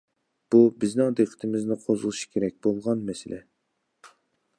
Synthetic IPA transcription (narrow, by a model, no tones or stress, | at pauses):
b̥ubɪznɪŋd̪eqʰə̥t̪ʰɨmɪznɪqʰozulˠɨʃi̥kʲʰeɾɛk̚ʲbolˠʁɑnmɛsɪlʔɛ